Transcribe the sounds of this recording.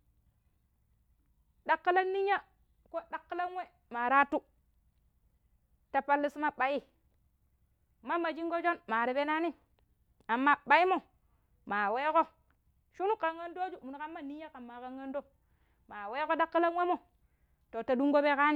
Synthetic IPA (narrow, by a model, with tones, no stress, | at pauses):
ɗa˦kːi˦la˦nːi˦ɲa˦ | ko˦ɗa˨˦kːi˦la˦n˦we˦ | ma˨ɾa˦tu˦ | ta˨pa˨lːi˦sma˦ɓa˨ji˦ | ma˦ma˨d͡ʒi˦ŋɡo˦d͡ʒo˦nma˨ɾi˨be˦na˦ni˦ | a˨mːa˦ɓa˨i˦mo˨ | ma˨we˦ko˦ | ʃu˦nu˦ka˨ŋːa˦ndo˦d͡ʒu˦˨m˨n˨ka˦mːa˦ni˦ja˦ka˨mːa˨ka˦ŋːa˦ndo˦ | ma˨we˦ko˦ɗa˦kːi˦la˦nwe˦mo˨ | to˨ta˨du˦ŋɡo˦be˦ka˦ni˦